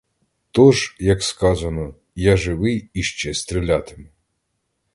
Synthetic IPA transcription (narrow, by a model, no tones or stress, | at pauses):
t̪ɔʒjɐkskɑzɐnɔ | jaʒɪʋɪjiʃt͡ʃɛst̪ɾʲilʲat̪ɪmɪ